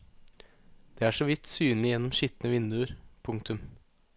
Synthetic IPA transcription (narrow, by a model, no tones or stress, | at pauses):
d̪̥eːæːʂoʋɪt̪syːnlɪjɛnːɔmʃɪt̪nəʋɪnd̪ʉəɾpʰʊŋkt̪ʰʉm